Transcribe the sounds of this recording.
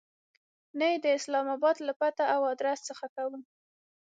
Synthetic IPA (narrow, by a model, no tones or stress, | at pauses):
najed̪əɪslɑmɑbɑd̪lapat̪aʔawɑd̪ɾast͡səxakawəm